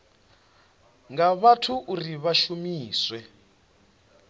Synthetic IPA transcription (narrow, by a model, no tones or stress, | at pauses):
ŋɡaβatʰuʔuriβaʃumiːswɛ